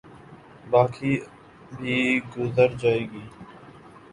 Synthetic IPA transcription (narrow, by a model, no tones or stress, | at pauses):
baːkʰiː | bʱiːɡʊzəɾd͡ʒaːeːɡiː